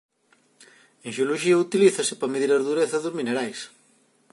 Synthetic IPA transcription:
ẽŋʃeoloʃiɐut̪iliθɐsɪ̥pɐmeðiɾɐzðuɾeθɐðozmineɾajs

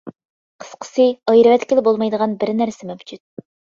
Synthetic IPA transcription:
qʰə̥sqʰə̥sɨɑjɾɨvɛt̪ʲkʲɪlɪbolˠmɑjd̪əʁɑnbɪɾnæɾsɪmɛwd͡ʒut̪̚

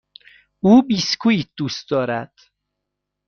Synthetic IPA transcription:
uːbiːskʰuːiːd̪̥uːst̪̚d̪ɒːɾæd̪̥

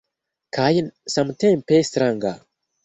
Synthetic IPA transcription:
kʰajnsãmtẽmpestɾãŋɡa̰

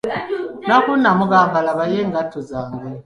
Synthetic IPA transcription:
nakunamuɡambalaβajɛŋɡatʰɔzaːŋɡɛ

